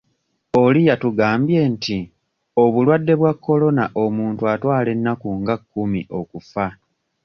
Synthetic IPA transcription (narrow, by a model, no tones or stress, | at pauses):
o̞lijatuɡaːmbje̞ːntʰi | o̞βulwadːe̞βwakːo̞lo̞naʔo̞muːntuatwaːle̞nːakuŋɡakːumḭʔo̞kufa